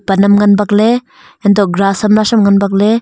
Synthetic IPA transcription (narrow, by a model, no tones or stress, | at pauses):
pɐnɐmŋanbak̚le | endɔɡɾasɐmnasɐmŋanbak̚le